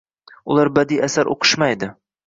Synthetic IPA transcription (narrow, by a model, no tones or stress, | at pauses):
ʊlˠaɾbad̪iasaɾʔo̰qʰɨ̥ʃmajd̪ɪ